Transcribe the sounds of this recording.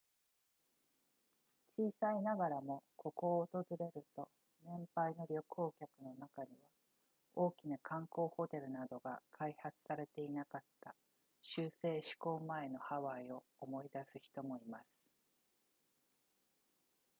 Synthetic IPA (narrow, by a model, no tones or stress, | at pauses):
t͡ɕiːsainaɡaɾamo̞ko̞ko̞ːt̪o̞zɨɾe̞ɾɯ̟t̪o̞ | nẽ̞mpaino̞ɾʲo̞ko̞ːkʲakɯ̟no̞nakaɲ̟iβa | o̞ːkʲinakʰãŋko̞ːho̞t̪e̞ɾɯ̟nad̪o̞ɡa̰kʰaihat͡sɨ̥saɾe̞t̪e̞inakat̪ːa | ɕɨːse̞ːɕi̥ko̞ːmae̞no̞haβaio̞ːmo̞id̪asɨçi̥t̪o̞mo̞imasɨ̥